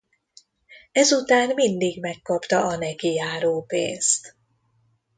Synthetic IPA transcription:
ɛzut̪aːnmind̪iɡmɛkːɒpt̪ɒɒnɛkijaːɾoːpḛːnst̪

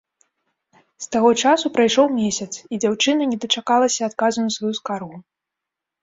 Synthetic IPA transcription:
st̪aɣɔt͡ʂasupɾajʂɔwmʲesʲɐt̪sid͡zʲawt͡ʂɨnɐnʲɛd̪ɐt͡ʂakalˠɐsʲɐːt̪kazunɐsvajuskarɣu

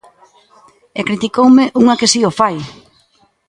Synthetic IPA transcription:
ekɾit̪ikowmɪʔuŋakesiofaj

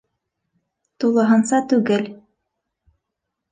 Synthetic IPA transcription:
t̪ulˠɤ̆ɦɤ̆nsɑt̪ʉɡɘl

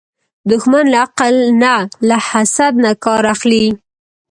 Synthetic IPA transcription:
d̪ʊxmanlaaqalnaːahasad̪nakɑɾaxli

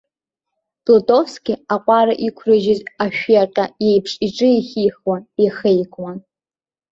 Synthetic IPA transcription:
pʼlotʼofskʲɪaqʷʼaɾaʔikʷʰrɨʒɪzaʃᶣjaqʲʼaje̞jpʰʂʼiʈ͡ʂʼɨiχʲiːχwaeχejkʼwa

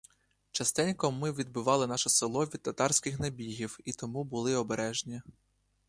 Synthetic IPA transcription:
t͡ʃɐst̪ɛnʲkɔmːɪʋʲid̪̚bɪʋɑlˠɪnɑʃɔsɪlˠɔʋʲid̪̚t̪ɐt̪ɑrsʲkɪxnɐbʲiɦʲiwit̪ɔmubʊlˠɪɔbeɾɛʒnʲi

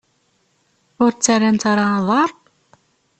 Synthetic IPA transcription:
ʊɾt͡sːærːænt̪ɑɾˤɑðˤɑɾˤ

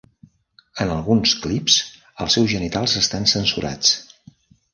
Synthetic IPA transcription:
ənəlˠɣunsklips | əlˠsɛwzʒənit̪alˠzəst̪ansənsuɾʔa̰t͡s

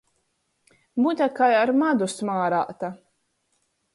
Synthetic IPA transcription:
but̪ʲakajaɾmad̪usmaːɾa̰ːt̪a

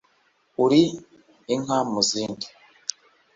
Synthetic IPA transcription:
uɾi | iŋamuziːndi

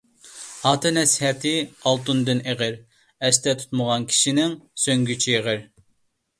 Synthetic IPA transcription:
ɑːt̪ʰɨnɛshɛt̪ʰɪɑlˠt̪und̪ɨneʁɪɾ | ɛst̪ɛt̪ʰu̥t̪məʁɑnkʲʰi̥ʃinɪŋsøŋɡʲyt͡ʃʰiːʁɪɾ

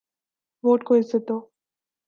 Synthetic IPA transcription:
ʋoːʈ̚koɪzet̪oː

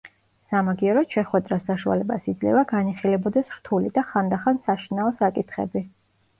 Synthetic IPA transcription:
samaɡiɔɾɔt̪ʃɛχwɛd̪ɾasaʃua̰lɛbasid̪zlɛ̰vaɡaniχilɛbɔd̪ɛsɾt̪ʰulid̪aχand̪aχansaʃinaɔsakʼit̪ʰχɛ̰bi

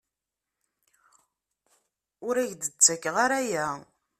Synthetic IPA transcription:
ʊɾæʝd̪ət͡sːækːʁaɾæjæ

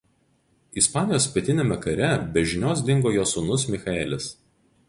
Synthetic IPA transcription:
ispɑːnʲɪjoːspʲiɛt̪ʲɪnʲeːmʲɛkɐɾʲɛbʲɛʒʲɪnʲoːsd̪ʲɪŋɡoːjoːsʊnʊsmʲɪxɐɛːlʲɪs

